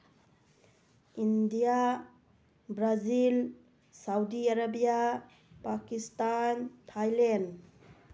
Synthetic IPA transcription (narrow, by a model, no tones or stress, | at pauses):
indija | bɾazil | sawdiaɾabija | pakistantʰajlen